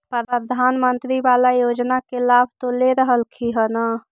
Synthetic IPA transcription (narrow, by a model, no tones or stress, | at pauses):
pəəd̪ʱanmənt̪ɾibalajod͡ʒnakelabʱt̪oleɾəɦəlkʰiɦəna